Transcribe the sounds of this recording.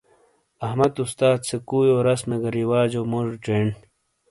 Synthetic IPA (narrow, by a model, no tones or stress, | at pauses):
ɐhmɐt̪ust̪aːd̪sekuːjoːɾɐsmeɡɐɾiwaːd͡ʑoːmoʐuʈ͡ʂeːɳ